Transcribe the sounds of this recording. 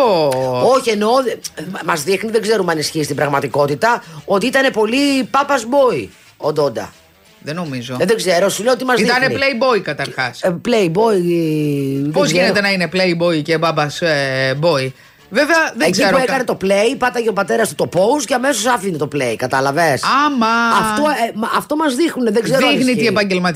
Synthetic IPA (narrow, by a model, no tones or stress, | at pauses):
oo̞çie̞no̞mɐzðixniðe̞ɡze̞ɾumɐnisçist̪ibɾɐɣmɐt̪iko̞t̪it̪ɐo̞t̪iit̪ɐne̞po̞lipɐpɐzbo̞i | od̪o̞nd̪ɐ̰ | ðeno̞mizoðeɡze̞ɾo̞sulejot̪imɐziðɐnepleibo̞ikɐt̪ɐɾxɐspleibo̞i | pozʝinet̪enɐinepleibo̞icepɐpɐzebo̞i | veveɐðeeɡzeɾoekɐne̞t̪o̞plejpɐd̪ɐʝɐopɐt̪e̞ɾɐst̪ut̪opo̞usceɐme̞sosɐfinet̪opleikɐt̪ɐlɐvesɐmɐɐftt̪omɐft̪o̞mɐzðixnuneðeɡzeɾoixniiepɐɲɟelmɐt̪